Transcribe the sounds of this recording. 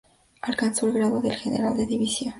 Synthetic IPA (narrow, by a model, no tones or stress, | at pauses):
alkansulɣɾaðoðelxenḛɾald̪eðiβisio